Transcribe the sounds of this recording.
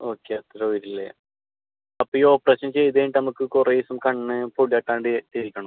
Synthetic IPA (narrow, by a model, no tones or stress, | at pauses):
o̞ːkːeɐt̪ːɐɾeojɾilːḛ | ɐpːoo̞ːpːreɕɐnt͡ɕe̞jt̪eːɳɖɨnɐmukːɨkureisumkɐɳːɨpoɽijaʈːaːɳɖɨt̪iɾikʲːɐɳum